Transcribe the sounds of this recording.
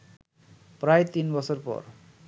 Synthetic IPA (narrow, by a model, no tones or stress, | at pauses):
pɾajt̪inbɔsɔɾpɔ̰ɾ